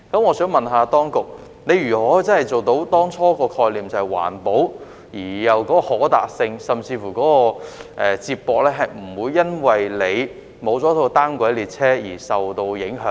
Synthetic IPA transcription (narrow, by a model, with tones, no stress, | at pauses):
kɐ˨˥mŋɔː˨˧sœː˨˥ŋmɐ˨nɦaː˧t̪ɔː˥ŋkʊ˨k̚ | ne˨˧jɥyː˨˩ɔː˨˥t͡sɐ˥nhɐ˨˩jt͡so˨wt̪o˨˥wt̪ɔː˥ŋt͡ʃʰɔː˥kɔː˧kʰɔː˧jliː˨mt͡sɐ˨whɐ˨˩jwa̰ː˨˩npo˨˥w | jiː˨˩jɐ˨wkɔː˨˥kɔː˧hɔː˨˥t̪a̰ː˨k̚sɪ˧ŋsɐ˨mt͡siː˧fuː˨˩kɔː˨˥kɔː˧ʔɛː˨t͡siː˧p̚pːɔː˧k̚lɛː˥ɦɐ˨jm̩˨˩wuː˨˧jːɐ˥nwɐ˨jle˨˧j | mo˨˧wt͡sɔː˨˥t̪ʰo˧wt̪aː˥nkʷɐ˨˥jliː˨t̚t͡sʰɛː˥jiː˨˩sɐ˨wt̪o˧wjɪ˨˥ŋɦœː˨˥